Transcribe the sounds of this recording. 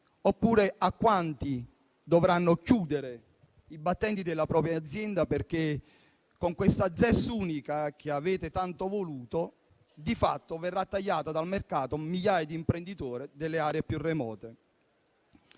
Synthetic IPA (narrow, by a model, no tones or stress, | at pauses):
opːuːɾeʔakːwant̪i | d̪ovɾanːʊkjuːd̪eɾe | ibat̪ːɛnt̪id̪elːapɾɔːpɾjad̪zːjɛnd̪aperk̟e | koŋkwest̪ad̪zɛsːuːnikak̟eavɛːt̪et̪ant̪ovoluːt̪o | d̪ifat̪ːoverːat̪ːaʎːaːt̪ad̪almerkaːt̪omiʎːaːjad̪iːmpɾend̪it̪oːɾɪd̪elːeaːɾeepjurːemɔ̰ːt̪e